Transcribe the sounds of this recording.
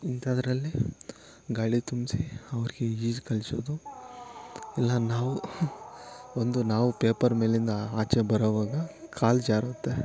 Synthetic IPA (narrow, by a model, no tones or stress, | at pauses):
int̪aːd̪ɐɾɐlːi | ɡaːɽit̪umsiɐʋɐɾiɡeiːd͡ʒkɐlsoːd̪u | ilːɐnaːʋu | ond̪unaːʋupeːpɐɾme̞ːlind̪ɐaːt͡ʃebɐɾoʋaːɡɐkʰaːld͡ʒaːɾoːt̪ːe